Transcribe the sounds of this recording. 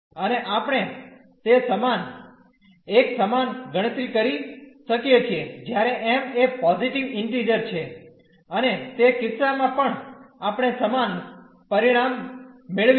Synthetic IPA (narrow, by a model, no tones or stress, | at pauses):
əneʔapɽ̃e | t̪esəman | eksəmanɡəɽ̃ət̪ɾikəɾiʃəkjet͡ʃʰied͡ʒjaɾeʔemepɔziʈiʋɪɳʈɾiɾəɾt͡ʃʰe | ənet̪ekɪt̪samãpəɳapɽ̃esəman | pəɾiɽ̃amːeɭʋ